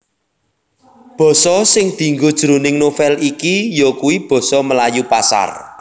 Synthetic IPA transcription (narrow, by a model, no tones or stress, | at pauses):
b̥ɔ̤sɔsɪŋd̪̥i̤ŋɡod̥ʒ̥ɾunɪŋnofɛlikijɔkuwib̥ɔ̤sɔməlajupasa̰r